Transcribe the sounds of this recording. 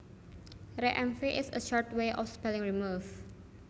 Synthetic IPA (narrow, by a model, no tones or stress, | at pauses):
ɾeʔɛ̃mfiʔɪsə̰ʃɔɹtweʔɔfspɛlɪ̃ŋɹimuf